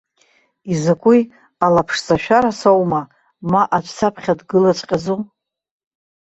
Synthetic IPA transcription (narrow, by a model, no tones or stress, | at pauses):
izakʷʼuj | alapʰʂzaʃᶣaɾasowma | maʔat͡ʃʷʰʼsʰapʰχʲadɡɨlat͡ʃʷʼqʲʼazu